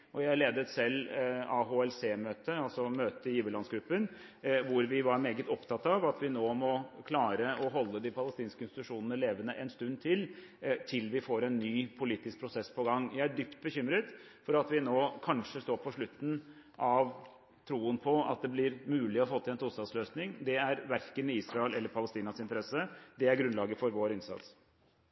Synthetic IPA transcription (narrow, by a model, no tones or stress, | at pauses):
ʔɔjæɪæɭeːd̪əɛt̪sɛlːɑɦoɛlseːmøːt̪əɑlsɔmøːt̪əɪjiːʋəlɑnsɡɾʉpːən | ʋʊɾʋɪʋɑɾmeːɡət̪ɔpt̪ʰɑt̪ːɑʋɑt̪ʋɪnoːmɔkʰlɑːɾəɔɦɔlːəd̪ɪpʰɑləst̪iːnskəɪnst̪ɪt̪ʉʂuːnənəleːʋənəʔɛnst̪ʉnd̪t̪ʰɪlt̪ʰɪlʋɪfoːɾɛnːyːpʰʊliːt̪ɪsk̚pʰɾʊsɛspʰɔɡɑŋːjæɪæɖʏpt̪̚bəçʏmɾət̪ | fɔɾɑt̪ʋɪnoːkʰɑnʂəst̪oːɾpʰɔʂɭʉt̪ːn̩ | ʔɑʋ | t̪ʰɾuːənpʰɔɑ̰t̪̚d̪ɛblɪɾmʉːlɪɔfoːt̪ɪlɛnt̪uːlst̪ɑd̪sløːsnɪŋd̪ɛæɾʋæɾkəniːsɾɑɛlɛlːəɾpʰɑləst̪iːnɑsɪnt̪əɾɛsːəd̪ɛæɾɡɾʉnlɑːɡəfɔɾʋoːɾɪnsɑ̰t̪s